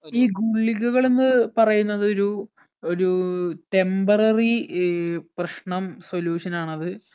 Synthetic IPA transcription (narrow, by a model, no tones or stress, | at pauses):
iːɡuɭːiɣuɣɐɭenːɨpɐrɐjunːɐðo̞ɾu | oɾuʈe̞mbɐrɐri | prɐʂɳɐmso̞ljuːʂɐnaːɳɐðɨ